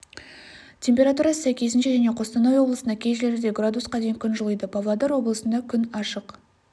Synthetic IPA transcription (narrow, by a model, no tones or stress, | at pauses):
t̪ʲʰe̞mpʲe̞ɾat̪uɾɑəsæjkʲe̞s̬ɪnʃe̞ʒæne̞qʰo̞st̪ɑnɑjwo̞blˠəsənɑkʲʰe̞jʒɪle̞ɾɪd̪e̞ɡrad̪usqɑd̪e̞jɪŋkʲʰʏnʒəlˠəjd̪əpʰavlˠad̪ɑɾwo̞blˠəsənd̪ɑkʲʰʏnɑʃəq